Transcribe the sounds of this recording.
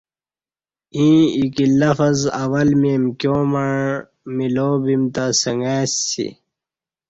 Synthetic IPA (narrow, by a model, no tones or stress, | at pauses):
ĩːikilːɐfɐzɐwɐlmemkjoːmɐɳ | miloːbimt̪asɐŋɡasḭ